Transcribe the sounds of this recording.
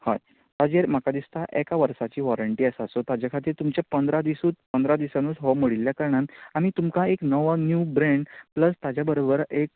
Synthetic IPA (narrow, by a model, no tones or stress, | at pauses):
ha̰j | t̪ad͡ʑeɾm̤akad̪ist̪ʰaʔekaʋəɾsat͡ɕiːʋɔɾəɳʈiːəsasot̪ad͡ʑakʰat̪iːɾt̪umt͡ɕapənd̪ɾad̪isuːt͡s̪̚pənd̪ɾad̪isanuːt͡sɦɔməɽilːjakəɾɳanamiːt̪umkaeknəʋənjuːbɾeɳɖpləst̪ad͡ʑjabəɾobəɾek̚